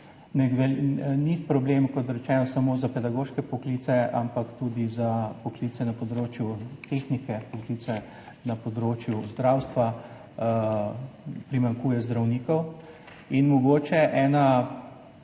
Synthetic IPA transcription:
nɛʋɛlnipɾɔbleːmkɔt̪ɾɛt͡ʃɛːnɔsamoːzapɛd̪aɡoːʃkɛpɔkliːt̪sɛa̰mpakt̪ud̪izapɔklit̪ɛnapɔd̪ɾoːt͡ʃjut̪exnikɛpɔkliːt̪sɛ | napɔd̪ɾoːt͡ʃjuzd̪ɾawst̪ʋa | pɾimaŋkuːjɛzd̪ɾawniːkɔw | inmɔɡoːt͡ʃɛʔɛːna

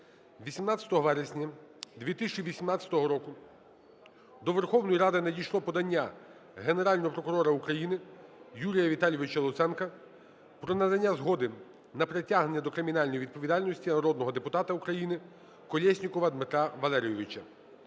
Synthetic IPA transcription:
ʋʲisʲimnat̪ʲt͡sʲɐt̪ɔɦɔʋɛɾesʲnʲɐd̪ʲʋʲit̪ɪsʲt͡ʃiʋʲisʲimnɑt͡sʲjɐ̥t̪ɔɦɔɾɔkʊ | d̪ɔʋerxɔwnɔjiɾɑd̪ɪnedʲijʃlˠɔpɔd̪ɐnʲːa | ɦeneɾɑlʲnɔɦɔpɾɔkʊɾɔɾɐukɾɐjinɪjulʲijɐʋʲit̪ɑlʲjɔʋɪt͡ʃɐlˠʊt̪sɛnkɐ | pɾɔnɐd̪ɐnʲːazɦɔd̪ɪ | nɐpɾetʲaɦnenʲːɐd̪ɔkɾɪmʲinɑlʲnɔjiʋʲid̪̚pɔʋʲid̪ɑlʲnɔsʲtʲinɐɾɔd̪nɔɦɔd̪epʊt̪ɑt̪ɐukɾɐjinɪ | kɔlʲɛsʲnʲikɔʋɐːd̪mɪt̪ɾɑʋɐlˠɛɾʲijɔʋɪt͡ʃɐ

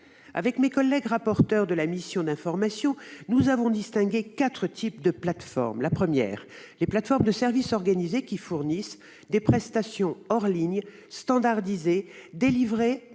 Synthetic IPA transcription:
a̰vɛkmekɔlːɛɡʁapɔʁt̪œʁd̪əlamisjɔ̃d̪ɛ̃fɔʁmasjɔ̃nuzavɔ̃d̪ist̪ɛ̃ɡʲekat̪χət̪ʰip̚d̪əplat̪fɔ̰ʁmlapχəmjɛ̰ːʁ | leplat̪fɔʁmd̪əsɛʁvisɔʁɡanizekʲifuʁnis | d̪epχɛst̪asjɔ̃ɔʁliɲ | st̪ɑ̃d̪aʁd̪ized̪elivʁe

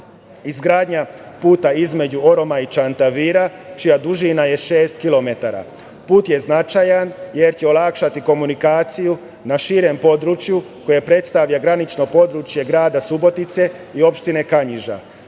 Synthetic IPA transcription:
izɡɾaːd̪ɲa | puːt̪aizme̞d͡ʑuoɾo̞mait͡ʃant̪aʋiɾat͡ʃijad̪uʒinaje̞ʃeːst̪kilo̞me̞t̪aɾa̰ | puːt̪je̞znat͡ʃajanje̞ɾt͡ɕe̞o̞lakʃat̪iko̞munikaːt̪siju | naʃiɾe̞mpo̞d̪ɾut͡ʃjuko̞je̞pɾe̞t̪st̪aʋʎaɡɾanit͡ʃno̞po̞d̪ɾut͡ʃje̞ɡɾaːd̪asubo̞t̪it̪se̞io̞pʃt̪ine̞kaɲiʒa̰

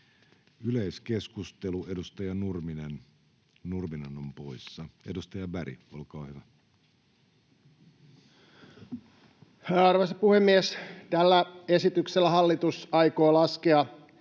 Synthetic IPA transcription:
yleiske̞skust̪elue̞dust̪ɑjɑnurminen | nurminɑnompo̞isːɑe̞dust̪ɑjɑbæɾḭo̰lkɑːhyʋæ | hæːɑrʋosɑpuhemːiest̪ælːæesit̪ykselːæɦɑlːit̪usɑjkoːlɑskeɑ

